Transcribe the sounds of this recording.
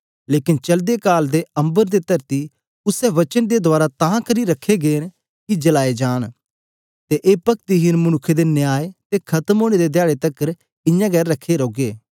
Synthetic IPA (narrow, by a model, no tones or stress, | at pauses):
leːkɪnt͡ʃɐld̪ekaːld̪eɐ̃mbəɾd̪et̪ɐɾt̪i | ʊsɛʋɐt͡ʃənd̪ed̪ʊaːɾat̪ãːkəɾiɾɐkʰːeɡeːn | kid͡ʒɐlaːed͡ʒaːñ | t̪eʔeːpɐkt̪iɦɪnmʊnʊkʰːed̪enɪjaːet̪ekʰɐt̪əmoːɽ̃ed̪ed̪jaːɭet̪ɐkːəɾ | ɪ̃jãːɡɛːɾːɐkʰːeɾoːɡeː